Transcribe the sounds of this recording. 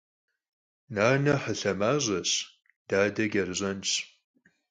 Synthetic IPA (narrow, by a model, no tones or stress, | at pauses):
naːnɐħəɬɐmaːʑʷɐɕ | d̥aːdɐɡʲɐrɨʑʷɐnt͡ʃʰʼ